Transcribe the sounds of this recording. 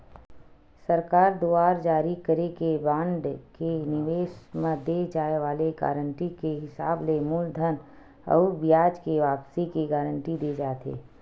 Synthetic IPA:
səɾkaːɾd̪oːaːɾd͡ʒaːɾikəɾekebãːɳɖkenɪʋeːʃmẽd̪ed͡ʒaːeʋaːleɡa̰ːɾəɳʈikeɦɪsaːblemuld̪ʱən | ɔ̰ːbɪjaːd͡ʒkeʋaːpsikeɡaːɾəɳʈid̪eːd͡ʒaːt̪ḛː

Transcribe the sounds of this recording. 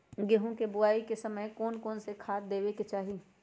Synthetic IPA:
ɡeɦõkebʊaːikesəməjkɔːnkɔːnsekʰaːt̪̚d̪eːʋeket͡ʃaːɦi

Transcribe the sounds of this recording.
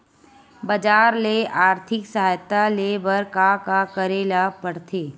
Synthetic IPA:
bəd͡ʒaːɾleʔaːɾt̪ʰɪksɐɦaːjt̪alebəɾkakakəɾeːlapəɽ̤t̪ʰeː

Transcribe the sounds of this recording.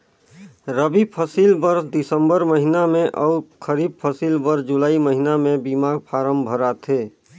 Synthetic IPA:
ɾəbipʰəsilbəɾsd̪ɪsə̃mbəɾməɦinamẽʔɔkʰəɾiːb̚pʰəsilbəɾsd͡ʒʊlaːiməɦinamẽbimaːɡpʰaːɾəmbʱəɾat̪ʰeː

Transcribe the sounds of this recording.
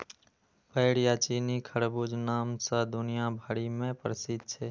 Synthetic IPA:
pəɪɽjat͡ʃiːnikʰəɽbud͡ʒnaːmsad̪ʊnijabʱəɽimẽpɾəsɪd̪̚t͡ʃʰeː

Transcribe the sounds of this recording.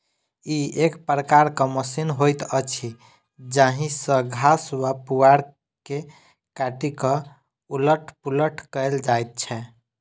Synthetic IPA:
iekpɾəkaɾkəməsinɦojt̪ət͡ʃʰi | d͡ʒaɦĩsəɡʱaswapuaɽ | ke | kaʈikə | uləʈʰpuləʈʰkəjld͡ʒajt̪̚t͡ʃʰɛ

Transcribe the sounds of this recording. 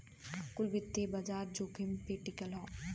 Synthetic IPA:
kʊlbɪt̪ːebɐd͡ʒaːɾd͡ʒoːkʰimpeʈikɐlɦɔː

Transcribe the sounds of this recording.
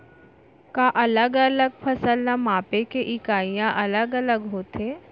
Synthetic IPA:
kaʔɐləɡələɡ̚pʰəsəlnamaːpekeʔɪkaːijãʔɐləɡələɡɦoːt̪eː

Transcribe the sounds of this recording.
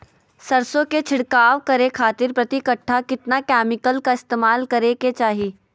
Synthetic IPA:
sɐɾsõket͡ʃʰɪɽkaːʋkɐɾekʰaːt̪ɪɾpɾɐt̪ikəʈʰːakɪt̪nakɛːmɪkəlkaɪst̪eːmaːlkɐɾeket͡ʃaːɦiː

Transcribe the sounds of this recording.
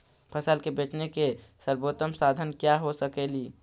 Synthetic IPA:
pʰəsəlkebeːt͡ʃnekesəɾboːt̪əmsaːd̪ʱənkjaɦosəkeːliː

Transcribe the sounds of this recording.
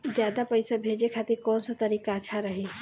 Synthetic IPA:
d͡ʒjaːd̪apəjsabʱeːd͡ʒekʰaːt̪iɾkɔːnsat̪əɾiːkaəːʃʰaɾəɦi

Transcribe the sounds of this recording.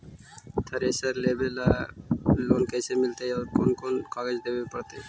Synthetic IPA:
t̪ʰɐɾesaɾlebela | lonkejsemilt̪eoɾkonkonkɔled͡ʑd̪ebepaɾt̪e

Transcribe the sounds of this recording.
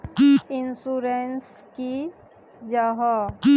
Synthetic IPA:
ɪnsuɾens | ki | d͡ʒəɦɔ

